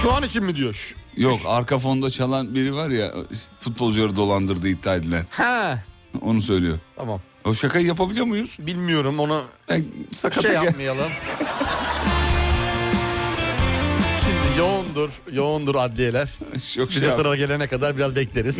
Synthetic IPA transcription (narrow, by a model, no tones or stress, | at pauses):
ʃuanit͡ʃʰinmid̪ijoʃjokaɾkafo̞nd̪at͡ʃʰalˠanbiɾivaɾja̰fut̪̚bo̞lˠd͡ʒulˠaɾɯd̪o̞lˠand̪ɯɾd̪ɯit̪ʰːaːd̪ilʲæɾhɛ | o̞̰nusø̞jlʲḭjot̪ʰamam | oʃakajjapʰabilʲijomujuz̥bilʲmijo̞ɾumo̞nubænsakʰat̪ajamajalˠɯm | ʃimd̪ijound̪uɾ̥ | jound̪uɾad̪lʲijelʲæɾ̥ | ʃʰokid͡ʒasɾaɾaɟe̞lʲenɛkad̪aɾbiɾazbɛclʲeɾiz̥